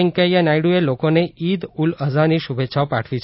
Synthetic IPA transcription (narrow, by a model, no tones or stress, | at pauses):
ŋkajanajɽuelokoneid̪uləzaniʃubʱetːʃʰaʋpaʈʰʋit͡ʃʰ